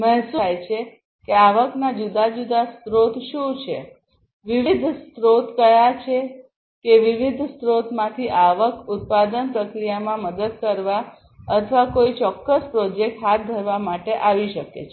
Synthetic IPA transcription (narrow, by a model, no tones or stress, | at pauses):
mɛɦsujt͡ʃʰe | keaʋəknad͡ʒud̪ad͡ʒud̪ast̪ɾot̪ʃũt͡ʃʰe | ʋiʋid̪ʱst̪ɾot̪kəjat͡ʃʰe | keʋiʋid̪ʱst̪ɾot̪mãt̪ʰiʔaʋəkut̪̚pad̪ənpɾəkɾijamãməd̪əd̪̚kəɾʋa | ət̪ʰəʋakoit͡ʃɔkːəspɾɔd͡ʒek̚ʈɦat̪̚d̪ʱəɾʋamaʈeʔaʋiʃəkḛt͡ʃʰe